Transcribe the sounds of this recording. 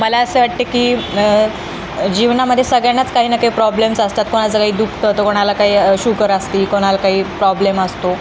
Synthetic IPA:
məlaəseʋaʈ̚t̪ekiː | d͡ʑiʋnaməd̪ʱjesəɡɭjanat͡skaɦiːnəkaiːpɾɔblemsəst̪at̪̚koɽ̃at͡səkaɦiːd̪ukʰt̪ət̪əkoɽ̃alakaɦiːɕukəɾəst̪iːkoɽ̃alkaɦiːpɾɔbleməst̪o

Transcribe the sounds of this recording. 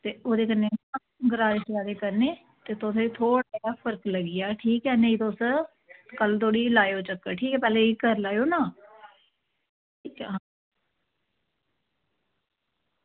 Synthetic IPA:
t̪eːoːd̪eːkənːeːã | ɡəɾaːɾesaːd̪eːkəɾneː | t̪eːt̪oseːt̪ʰoːɽaaːpʰəɾkləɡijaːʈʰiːkɛːneːiːt̪os | kəlt̪oːɽiːlaːjoːt͡ʃəkːəʈʰiːkɛːpɛːleːikəɾlaːjoːnãː | ʈʰiːkːɦa

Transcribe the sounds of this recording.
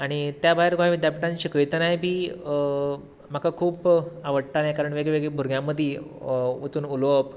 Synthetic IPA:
aɽ̃it̪jabajɾɡãʋid̪ʱjapiʈãɲt͡ɕikəjt̪anajbʱiː | m̤akakʰuːpaʋəɽt̪anajkaɾəɳʋeɡɭeʋeɡɭebʱuɾɡjãmːəd̪ʱji | ut͡s̪uːnulop

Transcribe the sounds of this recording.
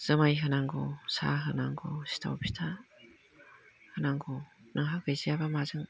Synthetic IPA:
z̥ɯmajɦɯnaŋɡɔsa̰ɦɯnaŋɡɔsi̥tʰa̰wpʰi̥tʰa | hɯnaŋɡɔnɯŋɦaɡɯjzijabamazɯŋ

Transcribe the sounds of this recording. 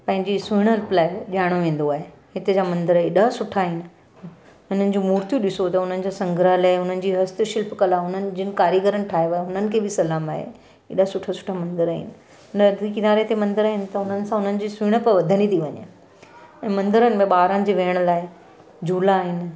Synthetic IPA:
pɐ̃ɦɪ̃ɲd͡ʑisʊɪɽ̃əɾplaːɪʄaːɪɽ̃oʋẽːn̆d̪oaːɦe | ɦɪt̪ed͡ʑaːmɐ̃nd̪əɾaɗɐɦsʊʈʰaːɦɪnɪ̆ | ʊn̤ənɪ̆d͡ʑuːmuːɾt̪jũɗɪsot̪ɐʊn̤ənɪ̆d͡ʑasɐ̃ŋɡʱɾalaːʊn̤ənɪ̆d͡ʑiːɦɐst̪ʃɪlpkɐlaʊnənɪ̆d͡ʑɪnɪ̆kaːɾjiɡəɾənɪ̆ʈʰaːɦeʋaeɦʊn̤ənɪ̆kʰeːbɪsɐlaːmaːɦḛ | ɗɐɦsʊʈʰəsʊ̥ʈʰamɐ̃nd̪əɾaːɦɪ̰nɪ̆ | nɐkɪnaːɾet̪emɐ̃nd̪əɾaːɦɪnɪ̆t̪ɐʊn̤ənɪ̆sãɦʊnənɪ̆d͡ʑiːsʊːɽ̃əpɐʋɐd̪ʱənit̪ʰiʋɐɲḛ | ɛ̃ːmɐ̃nd̪əɾənɪ̆mẽɓaːɾənɪ̆d͡ʑiʋeːəɽ̃laːɪ | d͡ʑuːlaːɦɪnɪ̆

